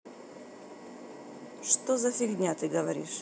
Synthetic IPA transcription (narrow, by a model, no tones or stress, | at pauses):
ʂt̪ozɐsʲɪɡʲd̪ʲnʲat̪ɨɡəvɐɾʲḭʂ